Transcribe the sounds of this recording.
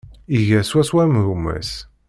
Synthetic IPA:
iʝæswæswæmɾumæ̰s

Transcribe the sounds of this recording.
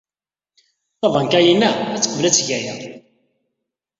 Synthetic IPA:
θɑvɑnkæjinːææt͡sːə̥qvlæt͡sːʝæjæ

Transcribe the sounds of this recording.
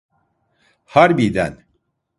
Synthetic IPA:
haɾbijd̪æ̰n

